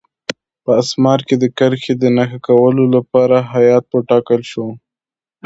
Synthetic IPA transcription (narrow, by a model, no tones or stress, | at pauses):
pəasmɑɾked̪əkəɾxed̪ənaxakawəlolapɑɾaɦajɑt̪̚pəʈɑkəlʃo